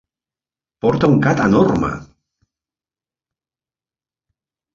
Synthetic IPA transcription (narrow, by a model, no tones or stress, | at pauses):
poɾt̪auŋkat̪anoɾma̰